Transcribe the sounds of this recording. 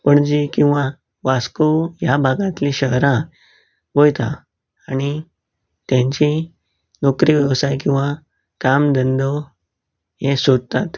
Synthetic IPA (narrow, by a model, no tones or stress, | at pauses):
pəɳd͡ʑikĩw̃ʋã | ʋaskojabʱaɡãt̪lĩɕəɦɾã | ʋojt̪ã | ani | t̪jãɲt͡ɕi | nokɾiʋəsajk̬ĩw̃ʋa | kamd̪ənd̪o | ɦesod̪̚t̪at̪